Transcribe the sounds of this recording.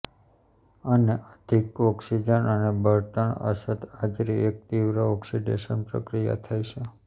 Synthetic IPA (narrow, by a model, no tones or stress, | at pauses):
əneʔəd̪ʱikɔksid͡ʒənənebʱəɾt̪əɳə̰sət̪ad͡ʒɾiek̚t̪iʋɾəɔksiɖḛʃənpɾə̰kɾija̰t̪ʰajʃʰe